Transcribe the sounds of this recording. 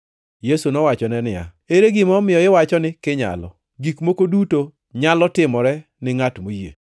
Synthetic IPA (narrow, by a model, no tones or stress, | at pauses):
jesunɔwat͡ʃɔnɛnɪja̰ | eɾeɡɪmɔmɪjɔɪwat͡ʃɔnɪkɪɲa̰lɔ̰ | ɡikmokoduto | ɲalɔtɪmɔɾɛ | nɪŋatmojḛ